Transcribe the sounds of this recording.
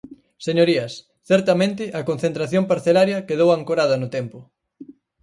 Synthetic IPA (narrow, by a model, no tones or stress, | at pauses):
seɲoɾiɐs | θɛɾt̪ɐmẽnt̪ɪʔɐkonθent̪ɾaθjompaɾθelaɾjɐkeðowaŋkoɾað̞ɐnʊt̪ɛmpʊ